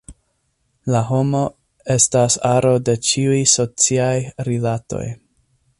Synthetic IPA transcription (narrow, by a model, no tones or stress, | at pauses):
laɦo̞mo̞ | e̞stasaɾo̞de̞t͡ʃiujso̞t͡siajɾilato̞̰j